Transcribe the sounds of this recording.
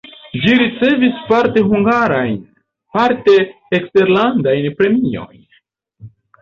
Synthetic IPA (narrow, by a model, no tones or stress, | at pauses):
d͡ʒiɾit͡se̞vispaɾte̞ɦuŋɡaɾajn | paɾte̞ː | kste̞ɾlandajnpɾe̞mio̞̰jn